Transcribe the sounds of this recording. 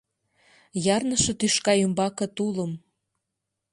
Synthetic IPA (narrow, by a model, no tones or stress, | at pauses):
jɑrnəʃɤ̆t̪yʃkɑjømbɑkɤ̆t̪uləm